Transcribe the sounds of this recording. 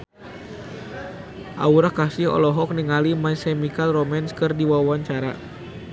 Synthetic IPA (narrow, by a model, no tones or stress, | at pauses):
ʔa̰uɾahkasɪhɔ̰lɔɦɔk̚niŋalimajsemikalromanskɨrdiwawaɲt͡ʃaɾa̰